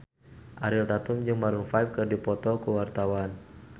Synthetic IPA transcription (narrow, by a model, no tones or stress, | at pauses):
ʔaɾɪlt̪at̪ʊmd͡ʒɨŋmaɾuŋfaif̚kɨrdipɔt̪ɔkəwart̪awan